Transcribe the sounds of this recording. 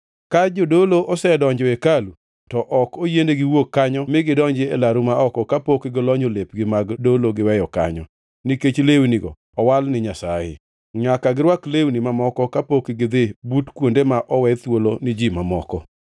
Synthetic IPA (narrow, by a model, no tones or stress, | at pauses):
kad͡ʒodoloʔɔsɛdɔɲd͡ʒɔekalu | tɔʔɔkojendeɡɪwokːaɲɔmɪɡɪdɔɲd͡ʒɪelaɾumaɔkɔkapokɪɡɪlɔɲolep̚ɡɪmaɡdoloɡɪwɛjɔka̰ɲɔ̰ | niket͡ʃlewniɡɔ̰ | ɔwalnɪɲasa̰jɪ̰ | ɲakaɡɪɾwaklewnimamɔkɔkapokɪɡɪd̪ebutkwondemaʔɔwɛt̪wolonɪd͡ʒimamɔ̰kɔ